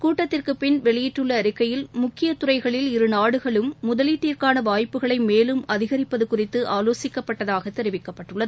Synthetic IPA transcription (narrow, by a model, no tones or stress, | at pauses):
kuːʈːɐt̪ːɪrkɯpɪnʋɛɭɪjɪʈːɯɭːɐɾɪkːɐjɪlmʊkːɪjɐt̪ʊrɐɪɣɐɭɪlɪɾɯnaːɽɯɣɐɭɯmːʊðɐliːʈːiːrkaːnɐʋaːjpːɯɣɐɭɐɪmeːlɯmɐðɪɣɐɾɪpːɐðɯkʊrɪt̪ːɯʔaːloːsɪkːɐpːɐʈːɐðaːɣɐt̪ːɛɾɪʋɪkːɐpːɐʈːɯɭːɐðɯ